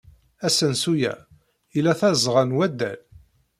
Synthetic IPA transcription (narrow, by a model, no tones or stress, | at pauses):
æsənsujæ̰ | ilæθæzʁənwæd̪ːæ̰l